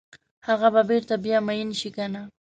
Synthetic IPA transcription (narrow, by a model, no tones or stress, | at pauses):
haɣababɪɾt̪abjamajɪnʃɪkana